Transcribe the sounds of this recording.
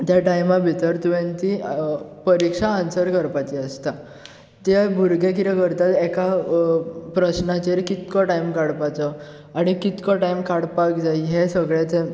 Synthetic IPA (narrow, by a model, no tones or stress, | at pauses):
t̪jaʈajmabʱit̪əɾt̪uʋẽnt̪ipəɾikʂaːnsəɾkəɾpat͡ɕiəst̪a | t̪abʱuɾɡek̬it̪akəɾt̪at̪ɛka | pɾəɕnat͡ɕeɾkit̪kɔʈajmkaɽpat͡sɔ | aɽ̃ikit̪kɔʈajmkaɽpakd͡zaiɦesəɡɭet̪e